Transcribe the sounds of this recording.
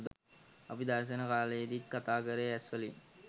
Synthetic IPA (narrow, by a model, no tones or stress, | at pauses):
d̪ | ɐpid̪ɐɾʃ̬ənəkaːləed̪it̪kat̪aːkəɾeæsʋəli